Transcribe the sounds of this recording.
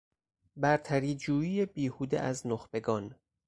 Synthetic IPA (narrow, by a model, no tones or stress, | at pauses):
bæɾt̪ʰæɾiːd͡ʒuːiːjebiːhuːd̪eʔæznoxbe̞ɡɒːn